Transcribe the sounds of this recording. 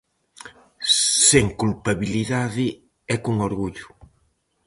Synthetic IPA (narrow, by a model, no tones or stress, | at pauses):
seŋkulpaβiliðaðɪ | ɛkuŋoɾɣuʎʊ̥